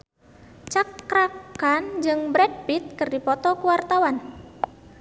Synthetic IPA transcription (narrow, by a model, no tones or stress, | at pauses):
t͡ʃakɾakand͡ʒɨŋbɾɛd̚pit̪̚kɨrdipɔt̪ɔkuwart̪awan